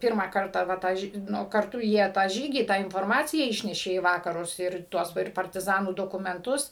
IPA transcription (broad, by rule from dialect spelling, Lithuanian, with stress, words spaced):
ˈpʲiːrmɑː ˈkɐrtɑː ʋɐ ˈtɑː ˈnʊ kɐrˈtʊ ˈjiɛ tɑː ˈʒʲiːɡʲiː tɑː ɪnfoːrˈmɑːt͡sʲɪjæː ˈɪʃʲnʲɛʃʲeː iː ˈʋɑːkɐrʊs ˈɪr ˈtuɔs ˈʋɐ ɪr pɐrʲtʲɪˈzɑːnuː doːkʊmʲɛnˈtʊs